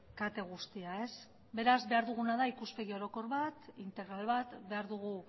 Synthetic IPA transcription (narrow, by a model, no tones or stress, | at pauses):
kat̪e̞ɣ̞ust̪iae̞s | be̞ɾazβe̞aɾðuɣ̞unaðaikuspe̞ɣio̞ɾo̞ko̞ɾβat̪int̪e̞ɣɾalβat̪be̞aɾðuɣ̞u